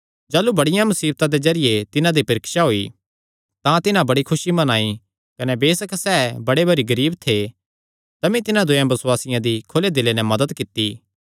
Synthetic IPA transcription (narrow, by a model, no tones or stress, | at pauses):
d͡ʒaːlubɐɽɪjãmɐsiːb̚t̪ãd̪ezɐɾɪjet̪ɪnãd̪ipɐɾɪkʃaɦoːi | t̪ãt̪ɪnãbɐɽikʰʊʃimɐnaːi | kɐnɛbeːsəksɛːbɐɽebɐɾiɡɐɾiːbt̪ʰe | t̪ɐmĩt̪ɪnãd̪ʊjãbɐswaːsɪjãd̪ikʰoled̪ɪlːenɛmɐd̪əd̪kɪt̪ːi